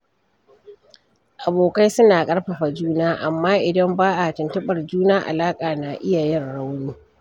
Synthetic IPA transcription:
ʔa˨boː˨ka˦jsʊ˦naː˨kʼɐ˦ɽɸɐ˨ɸa˨d͡ʒuː˦naː˦ʔa˨mːaː˦ʔɪ˨dɐ˦mbaː˦ʔa˨tɪ˨ntɐ˦ɓɐ˨rd͡ʒuː˦naː˦ʔa̰˨laː˦kʼaː˨na˨ʔɪ˦ja˨jɪ˦˨rɽa˦wnuː˦

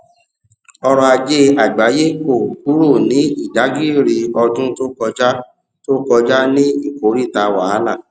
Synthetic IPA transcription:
ɔ˧ɾɔ˧a˧d͡ʒe˦a˨ɡ͡ba˨˦je˦ko˦˨ku˨˦ɾo˦˨nĩ˨˦i˦˨da˨˦ɡi˦˨ɾi˧ɔ˧dũ˦to˦kɔ˧d͡ʒa˦ | to˦kɔ˧d͡ʒa˦nĩ˦i˦˨ko˨˦ɾi˦˨ta˧wa˨˦a˦la˦˨

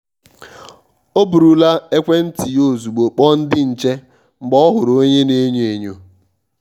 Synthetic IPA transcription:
o˦bu˨ɾu˨la˦e˦kʷe˦n̩˦ti˨jo˦˨zu˨ɡ͡bo˨k͡pɔ˦n̩˦dɪ˦n̩˨t͡ʃe˦ | ŋ͡m̩˨ɡ͡bɔ˦ɔ˦ɦʊ˨ɾo˦ɲe˦ne˦ɲ˦e˨ɲo˨

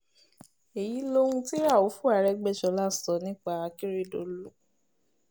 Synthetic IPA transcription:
e˨ji˨˦lo˦ũ˧ti˦ɾa˦˨wo˨˦fu˦a˨˦ɾɛ˦ɡ͡bɛ˦˨ʃɔ˧˦la˦˨sɔ˨˦nĩ˦k͡pa˧a˧ki˦ɾe˦˨do˨lu˦

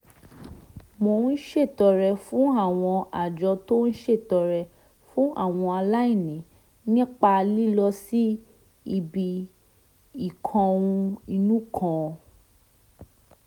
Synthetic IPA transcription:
mo˧˨˦n̩˦ʃe˦˨tɔ˨ɾɛ˧fũ˦a˦˨w̃ɔ̃˧a˨d͡ʒɔ˧to˦n̩˦ʃe˦˨tɔ˧ɾɛ˧ | fũ˦ʔa̰˦˨w̃ɔ̃˧a˧la˦i˦˨nĩ˨˦ | nĩ˦k͡pa˧li˦lɔ˧si˦ | i˧bi˧ | i˦˨kʰɔ̃˧ũ˧i˧nũ˦kʰã˦˧

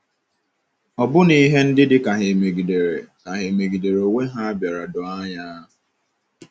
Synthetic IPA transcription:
ɔ˨bʊ˦ni˦ɦe˦n̩˦dɪ˦dɪ˦ka˨ɦe˨me˨ɡi˨de˨ɾe˨ka˨ɦe˨me˨ɡi˨de˨ɾo˨ŋe˦ɦa˦a˦bja˨ɾa˨dʊ˨a˦ɲa˦ʊ˨

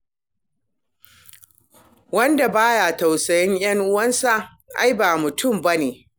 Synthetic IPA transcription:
wɐ˦nda˨baː˦ja˨ta˨wsɐ˨jɪ˦ŋj̰ɐ˦ŋʔʊ˦wɐ˦nsa˨ʔ | ʔa̰˦jbaː˨mʊ˨tʰʊ˦˨mba˦neː˨

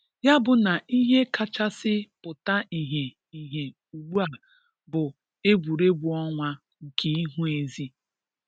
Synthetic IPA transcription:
ja˦bʊ˨na˨ʔi˦ɦe˦ka˦t͡ʃa˦sɪ˦pʊ˨ta˦ʔi˨ɦe˨ | i˨ɦe˨ | u˨ɡ͡bu˦a˨ | bʊ˨ | e˦bu˨ɾe˦bu˨ɔ˦ŋʷa˦ | ŋ̩˨kʰe˦i˦ɦu˦e˨zi˦

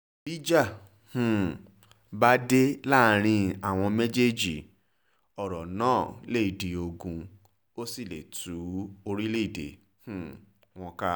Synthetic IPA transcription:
bi˦d͡ʒa˦˨ | hũ˨ | ba˦de˦la˦˨˧ɾ̃ĩ˧a˨w̃ɔ̃˧me˦d͡ʒe˦d͡ʒi˨ | ɔ˨ɾɔ˨nãː˦˨le˦i˨de˨o˧ɡũ˧ | o˦si˦˨le˨tʰu˨˦o˧ɾi˦le˦i˦˨de˨ | hũ˦˨ | w̃ɔ̃˧ka˦

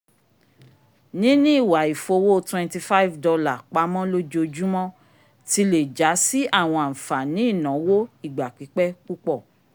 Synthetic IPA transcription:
nĩ˨˦nĩ˦i˦˨wa˨i˨fo˧wo˦twɛ̃˧nti˧fa˦i˦˨vdɔ˧la˦˨k͡pa˨˦mɔ̃˦lo˦d͡ʒo˧d͡ʒu˦mɔ̃˦ | ti˧le˨d͡ʒa˨˦si˦a˦˨w̃ɔ̃˧a˨n̩˨fa˨nĩ˨˦i˦˨nã˨˦wo˦i˦˨ɡ͡ba˨k͡pi˨˦k͡pɛ˦k͡pu˦k͡pɔ˦˨

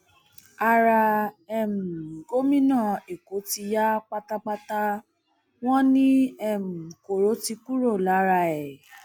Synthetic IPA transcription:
a˧ɾa˧ɛ˦˨m̩˨ɡo˦mĩ˦nã˦˨e˨ko˨˦ti˧ja˦k͡pa˧ta˧k͡pa˧ta˧ | w̃ɔ̃˦nĩ˦ɛ˦˨m̩˨ko˨ɾo˨˦ti˧ku˦ɾo˦˨la˨˦ɾa˧ɛ˨

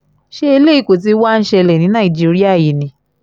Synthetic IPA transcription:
ʃe˦e˧le˦i˧˨ko˨t̬i˧˦wa˦n̩˦ʃɛ˧lɛ˨nĩ˨˦nã˦˨i˨d͡ʒi˨˦ɾi˦a˦˨ji˨nĩ˧˦

